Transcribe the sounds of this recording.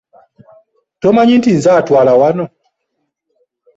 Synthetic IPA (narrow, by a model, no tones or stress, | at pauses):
tɔmaɲintinzatwalawanɔ